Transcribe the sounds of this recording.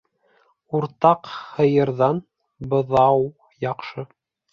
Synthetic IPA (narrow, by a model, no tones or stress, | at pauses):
uɾt̪ɑqhɤ̆jɤ̆ɾðɑn | bɤ̆ðɑw | jɑqʃɤ